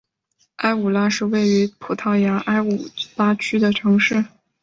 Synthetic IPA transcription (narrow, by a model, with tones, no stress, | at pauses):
a˥ɪu˨˩la˥ʂɻ̩˥˧we˥˩ɪy˧˥pʰu˨˩t̪ʰɑ˥˩ʊja˧˥ʔa˥ɪu˨˩la˥t͡ɕʰy˥d̪ə˨ʈ͡ʂʰɤ˧˥ŋʂɻ̩˥˩